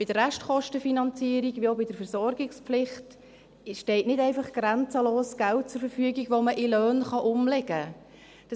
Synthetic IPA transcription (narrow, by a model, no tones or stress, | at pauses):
b̥ɪd̥əræʃtχɔʃtəfinɑnt͡siəɾiɡʋiːoʊbɪd̥əɾfəɾsɔɾɡɪkspflɪχt | ʃtɛɪtnɪdɛɪfɑχɡ̥ɾɛnt͡səloːsɡ̥ælt̚t͡sʊɾfəɾfyəɡiɡʋoməʔɪlœːnχɑʔʊmlɛɡ̥ə | d̥ɑ